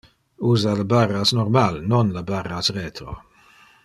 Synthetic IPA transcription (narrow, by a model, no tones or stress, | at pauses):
uːzaləbarːasnɔrmalnonlabarːasrɛːt̪ɾo̰